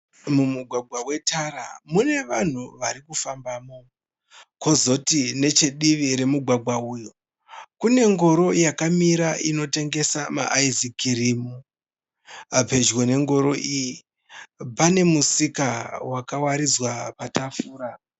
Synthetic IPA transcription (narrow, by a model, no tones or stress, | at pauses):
mumuɡʱwaɡʱwawe̞tʰaɾa̰mune̞ʋan̤uʋaɾikufambaːmo | ko̞zo̞tine̞t͡ʃe̞ɗiʋiɾe̞muɡʱwaɡʱwaujo | kune̞ŋɡo̞ɾo̞jakamiɾaʔino̞te̞ŋɡe̞sama̰ʔaizikirimu | ape̞d͡ʒwone̞ŋɡo̞ɾo̞ʔiji | pane̞musikawakawaɾid͡zwapatafuːɾa